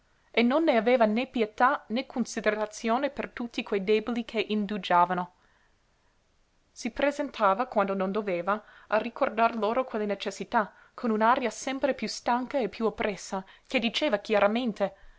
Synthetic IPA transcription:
enːonːeaveːvanepjet̪anekʰonsid̪eɾat̪sjoːnepert̪ut̪ːikwejd̪eːbolikʰeʔind̪ud͡ʒaːvano | sipɾezent̪ʰaːvakwand̪onond̪oveːvaarikord̪arloːɾokwelːenet͡ʃesːit̪a | kʰonunaɾjasɛmpɾepjust̪aŋkaepːjuopːɾʔɛsːaked̪it͡ʃeːvak̟jaɾament̪e

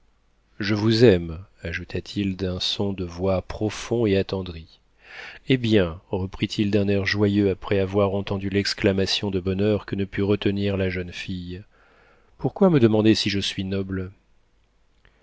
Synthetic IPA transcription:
ʒəvuzɛmaʒut̪ʰat̪ʰild̪ɛ̃sɔ̃d̪əvwapχɔfɔ̃eat̪ɑ̃d̪ʁi | ebjɛ̃ʁəpχit̪ʰild̪ɛ̃nɛʁʒwajøapχɛavwaʁɑ̃t̪ɑ̃d̪ylɛksklamasjɔ̃d̪əbɔnœʁkənəpyʁət̪əniʁlaʒœnfij | puʁkwaməd̪əmɑ̃d̪esiʒəsɥinɔbl

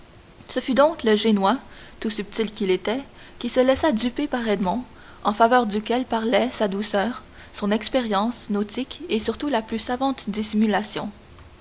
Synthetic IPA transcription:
səfyd̪ɔ̃kləʒenwa | t̪usyp̚t̪ilkʲilet̪ɛ | kʲisəlɛsad̪ypepaʁɛd̪mɑ̃ | ɑ̃favœːʁd̪ykʲɛlpaʁlɛsad̪usœːʁ | sɔ̃nɛkspeʁjɑ̃snot̪ʰikesyʁt̪ulaplysavɑ̃t̪d̪isimylasjɔ̃

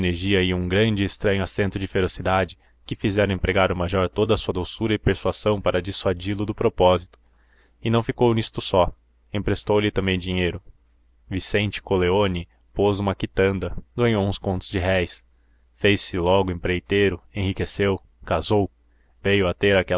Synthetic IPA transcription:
neɾʒiɐiũɡɾɐ̃nd͡ʒɪːst̪ɾɐ̃ɲʊasẽnt̪ʊd͡ʒɪfeɾosid̪ad͡ʒɪ | kɪfizɛɾɐ̃ẽpɾeɡaɾʊmaʒɔɾt̪od̪ɐːsuɐd̪owsuɾɐɪpeɾsuazɐ̃w̃paɾɐd͡ʒisuad͡ʒilʊd̪ʊpɾopɔzit̪ʊ̥ | ɪnɐ̃w̃fikownist̪ʊsɔ | ẽpɾest̪owlɪt̪ɐ̃mbẽj̃d͡ʒiɲejɾʊ | visẽnt͡ʃɪ̥koleonɪ | pozũmɐkit̪ɐ̃nd̪ɐɡɐ̃ɲowũskõnt̪ʊzd͡ʒɪɦɛjs | fejsːɪlɔɡʊẽpɾejt̪ejɾʊẽɦikesew | kazow | vejʊɐt̪eɾakɛ

